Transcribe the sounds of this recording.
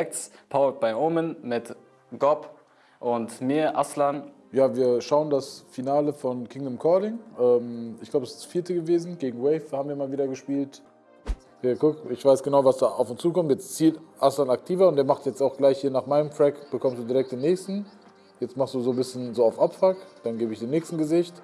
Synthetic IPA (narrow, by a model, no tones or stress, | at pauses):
ɛkt͡spʰaʊlt̚b̥aɪʔoːmənmɪt | ɡ̥ɔp | ʔʊntmiːɐʔa̰slan | jaːviːɐʃaʊəndasfinaːləfɔnkʰɪŋdəmkʰɔɐɾɪŋʔɛːmɪçɡlaʊbəɛsɪ̥stfiːɐtʰəɡəveːzn̩ɡeːɡŋ̩wɛɪfhaːbm̩viːɐmaːlviːɾɐɡəʃpiːlt | jaːɡʊkɪçv̥aɪsɡ̥ənaʊvasd̥aːʔaʊfʊnst͡suːkʰɔmtjɛt͡st͡siːltʔaslanak̚tʰiːvɐʊntd̥eːɐmaχtjɛt͡staʊxɡ̥laɪçhiːɐnaːχmaɪnəmfʁ̥ɛkb̥əkʰɔmstd̥uːdiːʁɛk̚td̥eːnːɛːçstn̩ | jɛt͡stmaχstd̥uːzoːbɪsçənzoːaʊfʔapfakd̥anɡeːbəɪçd̥eːnːɛːçstn̩ɡəzɪçt